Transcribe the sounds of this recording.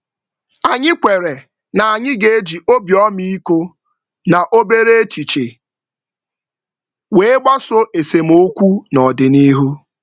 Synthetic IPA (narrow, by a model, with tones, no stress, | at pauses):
a˨ɲɪ˦kʷe˨ɾe˨ | na˨a˨ɲɪ˦ɡe˦d͡ʒi˨ʔo˦bjɔ˦mi˦i˦ko˦ | na˨ʔo˦be˦ɾe˦e˦t͡ʃi˨t͡ʃe˨ | we˨˦ɪ˦ɡ͡bɔ˦so˦ʔe˨se˨m̩˨o˦kʷu˦nɔ˨dɪ˨ni˦ɦu˦